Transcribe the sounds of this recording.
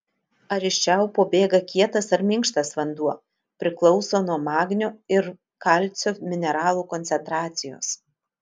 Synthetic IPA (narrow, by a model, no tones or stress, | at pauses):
ɐɾʲɪʃʲt͡ʃʲɛʊpoːbʲeːɡɐkʲiɛt̪ɐsɐɾmʲɪŋkʃt̪ɐsʋɐnd̪uɔ | pʲɾʲɪklˠɒʊsoːnuɔmɑːɡnʲoːɪɾ | kɐlʲt̪sʲoːmʲɪnʲɛɾɑːlˠuːkɔnʲsʲɛnt̪ɾɑːt̪sʲɪjo̰ːs